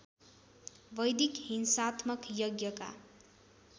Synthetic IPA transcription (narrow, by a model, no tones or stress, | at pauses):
bʌjd̪ikhinsat̪ʰmʌkjʌɡjʌka̰